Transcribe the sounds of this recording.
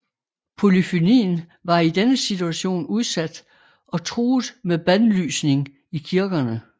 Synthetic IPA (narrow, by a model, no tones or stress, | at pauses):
pʰo̝lifinḭːn̩ | ʋɑ̈id̥enəsit͡sʰuæɕo̝̰ːnuð̞ˠsæd̥ | ɒ̽t͡sʰʁuːð̩ˠmeb̥ænly̰ːsne̝ŋ | ikʰiɐɡ̥ɐnə